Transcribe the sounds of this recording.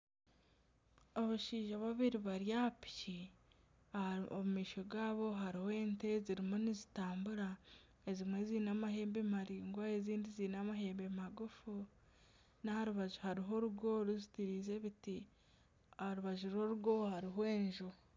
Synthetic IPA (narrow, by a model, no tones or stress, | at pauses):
oβuʃiːʒaβaβiɾiβaɾjapi̥ci | aomumiːʃo̞ɡaːβo̞ɦaɾihwe̞ːnte̞ziɾimonizitaːmbuɾa | ezimwe̞ziːnamaɦe̞ːmbe̞maɾiːŋɡwaeziːndiziːnamaɦe̞ːmbe̞maɡufu | nahaɾuβaʒuhaɾiɦo̞ɾuɡo̞ɾuzitiɾiːze̞βiti | haɾuβaʒuɾo̞ɾuɡohaɾiɦwe̞ːɲʒo